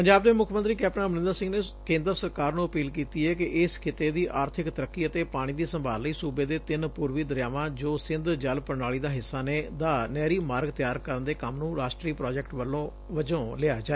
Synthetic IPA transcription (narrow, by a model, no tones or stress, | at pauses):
pəɲd͡ʒaːb̚d̪eːmʊkʰmənt̪ɾiːkɛːp̚ʈənaːmənɪ̃nd̪əɾsɪ̃ŋɡneː | kẽːnd̪əɾsəɾkaːɾnũːəpiːlkiːt̪iːɛːkɪʔɪskʰɪt̪eːd̪iːʔaːɾt̪ʰɪkt̪əɾəkːiːət̪eːpaːɽ̃iːd̪iːsəmbʱaːlːəiːsuːbeːd̪eːt̪ɪnpuːɾʋiːd̪əɾjaːʋãːd͡ʒoːsɪ̃nd̪d͡ʒəlpəɾɳaːɭiːd̪aːɦɪsːaːneːd̪aːnɛːɾiːmaːɾɡt̪ɪjaːɾkəɾənd̪eːkəmnũːɾaːʃʈɾiːpɾɔːd͡ʒɛk̚ʈʋəlːõː | ʋəd͡ʒõːleaːd͡ʒaːeː